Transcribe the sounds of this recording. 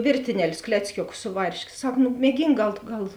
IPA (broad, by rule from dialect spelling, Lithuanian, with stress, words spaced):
ˈʋʲeːrʲtʲɪnʲɛˌlʲʊs ˈklʲæːt͡sʲkʲoːˌkʊs ˈsʊ ʋɐrʲʃʲˌkʲeː ˈsɐk nʊ mʲiɛˈɡʲiːŋk ˈɡɐlˠ tʊ ˈɡɐlˠ